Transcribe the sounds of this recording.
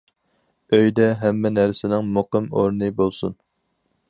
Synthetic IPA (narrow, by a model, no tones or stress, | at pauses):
øjd̪ɛɦɛmːɛnæɾsɪnɪŋmoqɨmoɾnɨbolˠsṵn